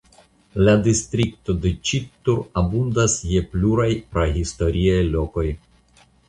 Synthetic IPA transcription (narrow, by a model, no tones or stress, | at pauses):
ladistɾikto̞det͡ʃit̪ːuɾabundasjepluɾajpɾaɦisto̞ɾʔiajlo̞ko̞j